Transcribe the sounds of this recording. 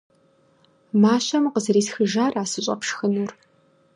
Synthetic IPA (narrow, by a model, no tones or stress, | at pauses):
maːɕɐmqəzɨɾiːsxɨʒaːraːsɨɕʼɐ̰pʃxɨnur